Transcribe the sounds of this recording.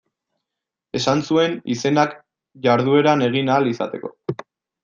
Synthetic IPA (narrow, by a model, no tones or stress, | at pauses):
e̞sansue̞nḭse̞nak | ʝaɾð̞ue̞ɾane̞ɣ̞inaːlisa̰t̪e̞ko̞̰